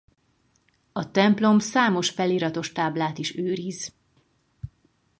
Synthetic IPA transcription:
ɒt̪ɛmplo̞msaːmo̞ʃfɛliɾɒt̪o̞ʃt̪aːblaːt̪iʃøːɾiz

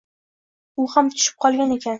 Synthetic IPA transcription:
ʊhamt̪ʰʊ̥ʃɪ̥p̚qʰɒlˠɡʲane̞kʲan

